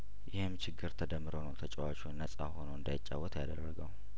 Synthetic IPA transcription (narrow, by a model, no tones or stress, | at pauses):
jɪhɨmt͡ʃʰɪɡːɨɾt̪ʰəd̪əmːɨɾonəwt̪ʰət͡ʃʼɛwat͡ʃʼunːəsʼaho̞nəwɨnd̪ajɪt͡ʃʼːawːɔt̪ʰjad̪ərːəɡəw